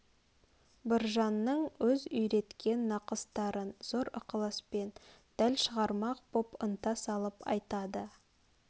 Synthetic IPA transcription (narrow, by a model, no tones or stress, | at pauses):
bɪɾʒɑnːəɴwɵzʏjɾe̞t̪kʲʰe̞nːɑqəst̪ɑɾənz̥oɾʊqəlˠəspe̞nd̪̥ælʃəʁɑɾmɑq̚pʰopənt̪ɑsɑlˠəpɑ̰jt̪ɑd̪ə